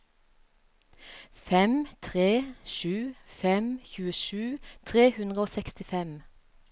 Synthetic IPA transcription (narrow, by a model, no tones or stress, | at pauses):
fɛmt̪ʰʁeːʃʉːfɛmçʉːəʃʉːt̪ʰʁeːhʉnʁəoːsɛkst̪ɪfɛm